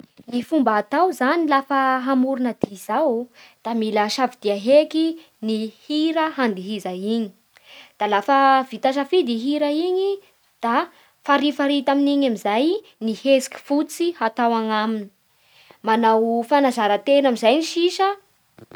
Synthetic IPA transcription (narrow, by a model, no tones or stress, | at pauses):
nifumbaːt̪awzanilafəɦamuɾunəd̪̥iz̥awd̪̥amilaʃavid̪̥iaɦeki | nihiɾəɦand̪iɦizaiɲi̥ | d̪̥alafəvit̪aʃafid̪iɦiɾəiɲi | d̪̥a | faɾifaɾit̪aminiɲamizaj | nihesi̥ki̥fut͡siɦat̪awaŋamini̥ | manawfanazaɾət̪enamizajniʃiʃə